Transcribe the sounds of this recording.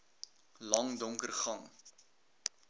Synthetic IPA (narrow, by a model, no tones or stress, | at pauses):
lɐŋdɔŋkərχɐŋ